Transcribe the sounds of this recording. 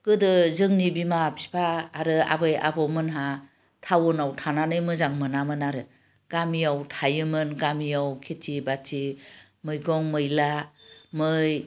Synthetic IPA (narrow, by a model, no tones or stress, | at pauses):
ɡ̥ɯdɯzɯŋnibimapʰi̥pʰaːɾɯa̰bɯja̰bɔmɯnɦa | tʰawɯnawtʰananɯjmɯzaŋmɯnamɯnaɾɯ | ɡ̥amijawtʰajɯmɯnɡamijawkʰetibati | mɯjɡɔŋmɯjlamɯj